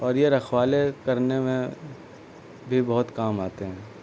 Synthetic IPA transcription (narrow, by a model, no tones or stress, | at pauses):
ɔːɾjeɾɐxwaːlekɐɾnemẽ | bʱibɐɦʊt̪kaːmaːt̪eɦɛ̃ː